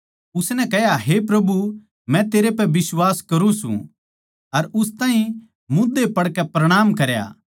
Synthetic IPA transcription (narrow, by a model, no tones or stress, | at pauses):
ʊsnɛkɛɦjaɦepɾɐbu | mɛ̃t̪eːɾepɛbɪswaːskɐɾũsṵ̃ | ɐɾʊst̪aːɦĩ | mʊ̃d̪epɐɽkɛpɾɐɽ̃aːmkɐɾja̰ː